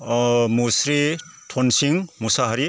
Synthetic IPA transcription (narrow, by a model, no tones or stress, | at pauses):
musɾi | tʰɔnsiŋmusaɦʌɾi